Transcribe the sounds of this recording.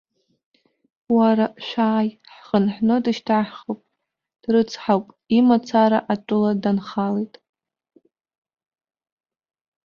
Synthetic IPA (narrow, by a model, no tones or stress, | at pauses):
waɾaʃʷᶣaːj | ħχənħnɨdɨʃtʰaħχowpʼ | d̥rɨt͡sʰħawpʼ | imat͡sʰaɾaʔaʈ͡ʂʷʼʊladanχalejtʼ